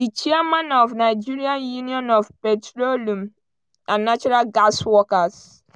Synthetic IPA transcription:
dit͡ʃiamãnɔfnaɪd͡ʒiɾiãnjuniɔ̃nɔfpɛtɹolũm | ãnːat͡ʃɔɾalɡaswɔkas

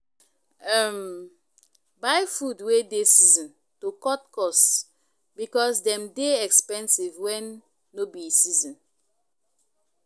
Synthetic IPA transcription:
am | bajfudwedesizɔ̃n | tokɔtkɔs | bikɔsdɛ̃mdeɛkspɛ̃nsivwɛ̃nː | obiesizɔ̃n

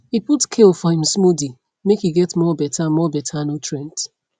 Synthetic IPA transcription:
hiputskʰelfɔhĩm̩smudi | mekhiɡɛtmɔbɛtʰamɔbɛtʰanotʰɹɛ̃nt

